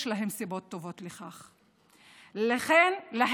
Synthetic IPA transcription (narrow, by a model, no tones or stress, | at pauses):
ʃlaɦe̞msibo̞tːo̞vo̞tleχaχ | laχenlaɦ